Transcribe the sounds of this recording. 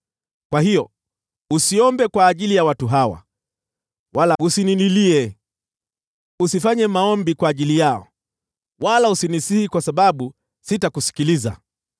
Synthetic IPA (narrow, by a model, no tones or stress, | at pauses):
kwahijɔ | usiɔmbɛkwaːʄilijawatuɦawa̰ | walausininiliɛ | usifaɲɛmaɔmbikwaːʄilijaɔ̰ | walausinisihikwasaɓaɓu | sitakusi̥kiliza̰